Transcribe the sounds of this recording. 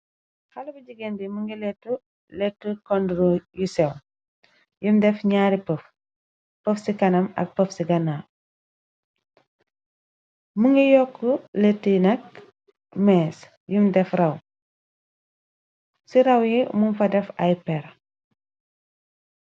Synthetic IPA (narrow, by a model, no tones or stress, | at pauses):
halubiɟiɡendimuŋɡilɛtːu | letːəkɔndɾujusɛw | jumdɛfɲaːɾipəf | pəfsikɐnɐmɐ̰k̚pəfsiɡɐna | muŋɡijɔkːuletːənɐk̚ | mɛs | jumdɛfrɐw | siɾɐwjimumfɐdɛfajpɛɾ